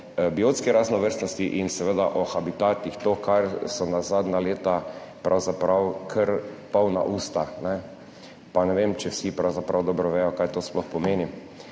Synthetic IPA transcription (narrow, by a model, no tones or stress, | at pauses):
bioːt̪skɛɾaznɔʋəɾst̪nɔst̪iʔinsɛʋed̪aʔɔxabit̪aːt̪ixt̪oːkʰaɾsɔnazaːd̪naleːt̪apɾʔawzapɾawkʰəɾpawna̰ʔuːst̪anɛ | panɛʋeːmt͡ʃɛwsipɾawzapɾawd̪ɔbɾɔʋɛːjɔkaːjt̪oːsplɔxpɔmeːni